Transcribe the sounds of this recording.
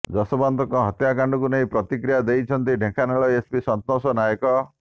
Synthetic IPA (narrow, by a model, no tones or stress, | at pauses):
d͡ʒɔsɔbant̪ɔkɔ̃ɦɔt̪jakaɳɖɔkuneĩpɾɔt̪ikɾijad̪ejt͡ʃʰɔnt̪iɖʱẽkʰaneɭɔespisɔnt̪nɔsɔnajɔkɔ